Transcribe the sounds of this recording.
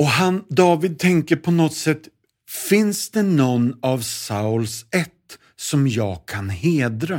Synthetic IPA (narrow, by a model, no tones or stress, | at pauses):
ɔɦand̪ɑːvɪd̪̚t̪ʰɛŋkəɾpʰɔnɔt̪sɛt̪ː | fɪnsd̪ɛnɔnːavsaʊlsɛt̪ː | sɔmjɑːɡ̚kʰanheːd̪ɾa